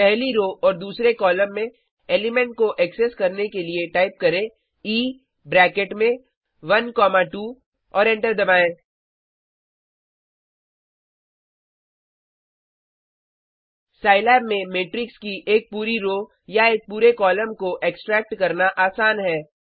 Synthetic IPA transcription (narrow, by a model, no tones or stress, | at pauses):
pɛɦliɾoːʔɔːɾd̪uːsɾekɔːləmːẽ | eːlɪmɛ̃ɳʈ̚koʔɛkseskɐɾnekelieʈaːɪp̚kɐɾẽ | iː | bɾɛːkeʈmẽ | ʋɐnkɔːmaʈuː | ɔːɾɛ̃ɳʈəɾd̪ɐbaːẽː | saːɪlɛːbmẽmeːʈɾɪkskiʔeːk̚puːɾiɾoː | jaeːk̚puːɾekɔːləmkoʔeːksʈɾɛːk̚ʈkɐɾnaʔaːsaːnɦɛː